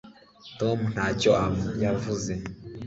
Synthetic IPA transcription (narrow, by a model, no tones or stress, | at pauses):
tomun̥hacoajavuze